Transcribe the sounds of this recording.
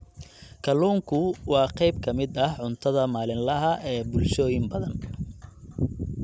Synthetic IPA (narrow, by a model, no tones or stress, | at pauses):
kʰɐluːŋkʰʊwɑːqɛjbkʰɐmɪd̪ɐhʕʊnt̪ʰɐðɐmaːlɪnlɐɦɐʔɛːbʊlʃɔːjɪmbɐðɐn